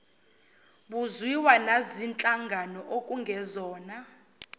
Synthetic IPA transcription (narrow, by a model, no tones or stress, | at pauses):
ɓuzwiwanazint͡ɬʼaŋɡʱanɔʔokʼuŋɡʱɛzɔːna